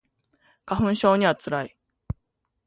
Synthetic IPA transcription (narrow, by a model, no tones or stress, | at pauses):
kaɸɯ̟̃ɰ̃ɕo̞ːɲ̟iβat͡sɨɾai